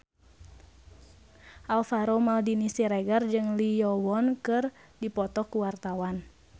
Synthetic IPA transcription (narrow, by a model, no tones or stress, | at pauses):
ʔalfaɾomaldinisiɾɛɡard͡ʒɨŋlijɔwɔnkɨrdipɔt̪ɔkuwart̪awan